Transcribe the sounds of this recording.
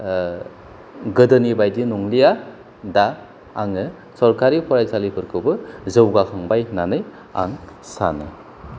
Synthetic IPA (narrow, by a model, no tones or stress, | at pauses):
ɡɯdɯnibajdinɔŋlija | daː | ŋɯ | sɔɾkʰaɾipʰɔɾajsalipʰɯɾkʰɯbɯzɯwɡakʰaŋbajnanɯj | a̰ŋsa̰nɯ̰